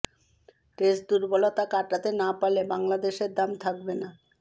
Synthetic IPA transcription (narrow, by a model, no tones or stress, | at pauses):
ʈesd̪uɾbolot̪akaʈat̪enapalebaŋlad̪eʃeɾd̪amt̪ʰak̚bena